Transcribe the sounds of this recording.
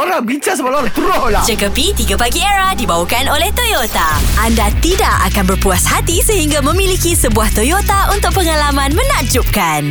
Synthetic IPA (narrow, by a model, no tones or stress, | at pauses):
oɾaŋbiɲt͡ʃas̬əbaloɾat̪uɾʊhlad͡ʒəkəpit̪iɡapaɡieɾadibawakanolɛht̪ojot̪aʔandat̪idaʔa̰kanbərpuashat̪isəɦiŋɡamə̃milikisəbuaht̪ojot̪aʔunt̪ʊk̚pəŋalamãnmə̃nad͡ʒup̚kan